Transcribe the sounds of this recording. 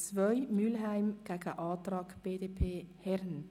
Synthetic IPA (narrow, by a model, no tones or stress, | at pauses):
t͡svœʏmylɦæɪmɡ̥æɡəʔɑːt̪ɾɑːkb̥eːdepʰeːhɛɾn